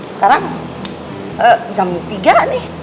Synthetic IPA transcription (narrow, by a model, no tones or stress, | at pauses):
sə̥kaɾaŋ | əd͡ʒamt̪iɡanɪh